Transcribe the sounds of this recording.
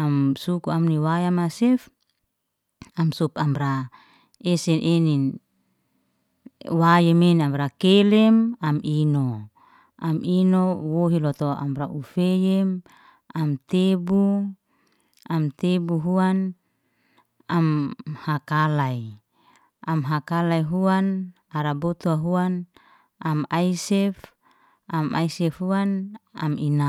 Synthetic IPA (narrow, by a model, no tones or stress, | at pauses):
amsukuamniwajamasɛf | amsupamɾa | esɛnʔenin | wajemenamɾakelɛmamino | aminowoɦilɔt̪oa̰mɾaʔufejɛm | amt̪ebu | amt̪ebuɦuan | amhakalai | amɦakalaiɦuan | aɾabot̪uaɦuan | amajsɛf | ama̰isɛfhuana̰mina